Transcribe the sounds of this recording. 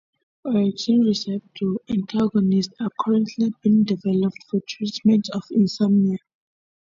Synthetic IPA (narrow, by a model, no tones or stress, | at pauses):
ɔɹid͡ʒĩnɹisɛvtʰuɛ̃ntʰaɡɔnisthakʰaɹɛ̃ntʰlibĩndivɛlɔp̚tfɔtʰɹitmɛ̃ntɔvĩnsãmia